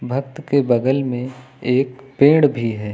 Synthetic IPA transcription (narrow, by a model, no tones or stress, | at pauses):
bʱɐk̚t̪kebɐɡəlmẽ | eːkpẽːɽbʱiɦɛː